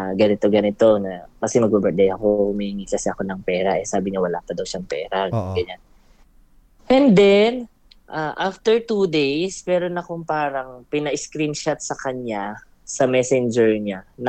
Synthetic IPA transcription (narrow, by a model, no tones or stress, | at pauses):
ɡɐnɪt̪o̞ɡɐnɪt̪o̞nɐkɐsɛmɐɡ̚babɛd̪ɐjɐkohʊmihiŋikɐsɛʔɐko̞nɐŋpɛːɾaʔɛsaːbɪɲawɐlaːpɐd̪ɐwʃaŋpɛ̰ːɾaɡɐɲan | ʔɛnd̪ɛn | ʔaʔaft̪ɛɹt̪uːd̪ejspɛːɾo̞nɐkʊŋpaːɾɐŋpɪnɐʔɪskɾinʃat̪̚sɐkɐɲa | sɐmɛsɛnd͡ʒɛɹɲan